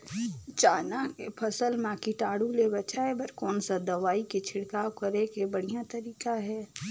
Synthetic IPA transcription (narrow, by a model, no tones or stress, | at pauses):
t͡ʃaːnakepʰɐsəlmãːkiʈaːɽulebɐt͡ʃaːebɐɾkɔːnsad̪ɐʋaːiket͡ʃʰɪɽkaːokɐɾekebɐɽ̤ijat̪ɐɾiːkaɦɛː